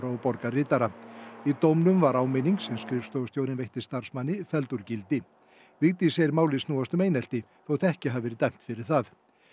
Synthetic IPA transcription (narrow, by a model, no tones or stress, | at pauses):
ɾaɔwpɔɾkarɪːt̪aɾait̪owmnʏmvaɾaːwmɪniŋksɛmskɾɪfst̪owʏst̪joːwɾɪnvejht̪ɪst̪aɾ̥smanːɪfɛlt̪uɾcɪlt̪ɪ | vɪɣt̪isejɾmaːwlɪsnuːwast̪ʏmeːjnɛl̥t̪ɪ | θowθɛhcɪɦaːvɛɾɪt̪ajm̥t̪fɪɾɪɾ̥θað